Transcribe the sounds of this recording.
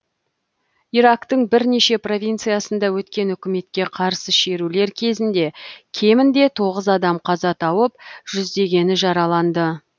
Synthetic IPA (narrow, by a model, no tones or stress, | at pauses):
iɾɑkt̪əɴbɪɾne̞ʃe̞pro̞vʲijnt̪sɨjasənd̪ɑwɵt̪kʲe̞nʏkʲɪme̞t̪kʲe̞qʰɑɾsəʃe̞ɾule̞ɾkʲʰe̞zɪnd̪e̞kʲʰe̞mɪnd̪e̞t̪ʰo̞ʁəzɑd̪ɑmqʰɑzɑt̪ʰɑwəp̚ʒ̥ʏzd̪e̞ɡʲe̞nɪʒɑɾɑlˠɑnd̪ə